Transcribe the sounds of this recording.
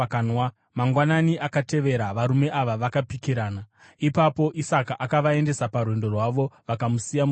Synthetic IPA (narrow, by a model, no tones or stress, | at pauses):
nwa | maŋɡwananiʔakate̞ʋe̞ɾaʋaɾume̞ʔaʋaʋakapikiɾaːna | ipapo̞ʔisakaʔakaʋae̞nde̞saparwe̞ndo̞rwaʋo̞ʋakamusijam